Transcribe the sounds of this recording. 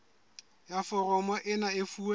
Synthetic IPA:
jafɔrɔmɔʔɪnaɪfuːa

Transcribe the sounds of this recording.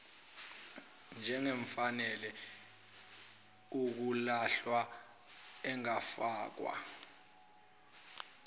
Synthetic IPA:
nd͡ʒʱɛŋeɱfanɛlɛ | uk̬ulaɬwa | ɛŋafaːk̬wa̰

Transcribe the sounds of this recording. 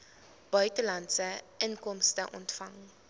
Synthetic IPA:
b̥œɥtəlɐntsəʔənkɔmstəʔɔ̰ntfɐŋ

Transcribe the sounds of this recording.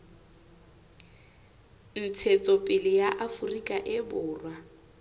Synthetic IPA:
n̩t͡sʰet͡sʼɔpʼɪlɪjaʔafʊrikʼaʔɪbʊːrwa

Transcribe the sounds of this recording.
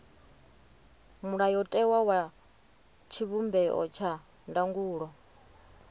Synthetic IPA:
muɺajɔtʼɛwawa | t͡ʃʰiβumbɛʔɔ̰t͡ʃʰa | ndaŋɡuːɺɔ

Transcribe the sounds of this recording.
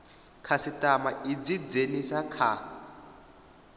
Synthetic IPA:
kʰasitʼamaʔid͡zid͡zenisakʰa

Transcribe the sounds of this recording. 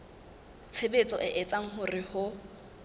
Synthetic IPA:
t͡sʰebet͡sʼɔʔɪʔɛt͡sʼaŋ̩ɦʊrɪhʊ

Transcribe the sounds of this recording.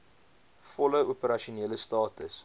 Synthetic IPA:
fɔləopəɾɐʃuneːləstɑːtəs

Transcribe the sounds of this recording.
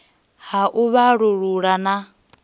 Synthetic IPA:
haʔuβaɺuɺuɺana

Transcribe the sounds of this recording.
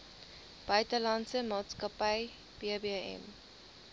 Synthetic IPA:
b̥œɥtəlɐnsəmɑːtskɐpəj | b̥iəbiɛ̰m

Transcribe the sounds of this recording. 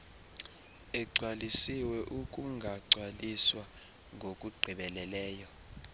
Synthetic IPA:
ɛɡ͡ǀʱwalisiwɛʔukʼuŋɡʱaǀʱwaliswa | ŋɡʱokʼuɡ͡ǀʱiɓɛlɛlɛːjɔ

